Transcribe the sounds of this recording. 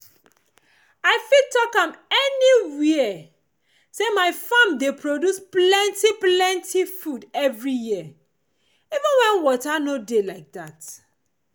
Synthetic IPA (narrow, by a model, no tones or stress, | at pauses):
aɪfitɔkãmɛniwi | semaɪfãmdepɹodusplɛ̃ntiplɛ̃ntʰifudɛvɹijiə | ivə̃nwɛ̃nwɔtanodelaɪk̚dat